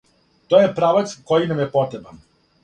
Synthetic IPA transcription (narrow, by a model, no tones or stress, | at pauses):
t̪ojepɾaʋat̪sko̞jinamjepo̞t̪ɾeban